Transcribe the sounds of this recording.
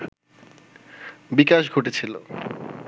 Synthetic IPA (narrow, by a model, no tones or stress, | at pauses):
bikaʃɡʱoʈet͡ɕʰilo̰